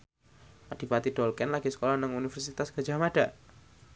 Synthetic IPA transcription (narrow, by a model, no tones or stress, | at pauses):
ʔad̥i̤pat̪iɖ̥ɔlkɛnlaɡ̥isə̥kolahnəŋunifərsit̪asɡ̥a̤̥d͡ʒa̤maɖ̥a